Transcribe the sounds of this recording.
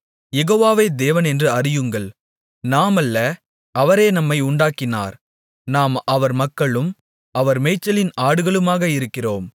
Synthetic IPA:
jɛɣoːʋaːʋeːd̪eːʋɐnɛndrɯɐrɪjɯŋɡɐɭ | naːmɐlːɐ | ʔɐʋɐɾeːnɐmːɐɪʊɳɖaːkːɪna̰ːɾ | naːmɐʋɐɾmɐkːɐɭɯm | ɐʋɐɾmɛɪt͡ʃːɐlɪnaːɽɯɣɐɭɯmaːɣɐɪɾɯkːɪroːm

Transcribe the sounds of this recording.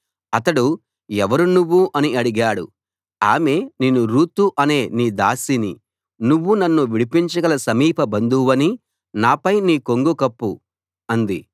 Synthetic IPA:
ɐt̪ɐɽu | ɛʋɐɾunuʋːuʔɐniɐɽiɡaːɽṵ | a̰ːme̞ːneːnːuɾuːt̪uʔɐne̞ːniːd̪aːsinḭ | nuʋːunɐnːuʋiɽipiɲt͡ʃɐɡɐlɐsɐmiːpʰɐbɐnd̪uʋɐni | naːpɐjniːkoŋɡukɐpːu | ɐnd̪ḭ

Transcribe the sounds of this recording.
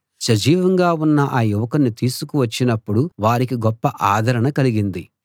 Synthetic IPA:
ʃɐd͡ʒiːʋɐŋɡaːunːɐʔaːjuʋɐkɐnːit̪iːsukuʋɐt͡ʃːinɐpːuɽuʋaːɾikiɡɔpːɐʔaːd̪ʱɐɾɐɳɐkɐliɡind̪i

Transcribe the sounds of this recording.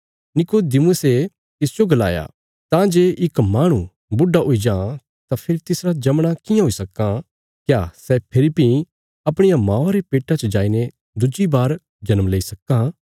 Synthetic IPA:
nɪkod̪ɪmuse | t̪ɪsd͡ʒoɡɐla̰ːja̰ | t̪ãd͡ʒeːʔɪkmaːɽ̃ũ | bʊɖːaɦoid͡ʒãː | t̪apʰeɾit̪ɪsɾad͡ʒɐmɽ̃akɪjãɦoisɐkːã | kjaːsɛpʰɪɾipĩ | ɐpɽ̃ɪjamãːaɾepeːʈat͡ʃd͡ʒaːine | d̪ʊd͡ʒibaːɾ | d͡ʒɐnəmleːisɐkːã

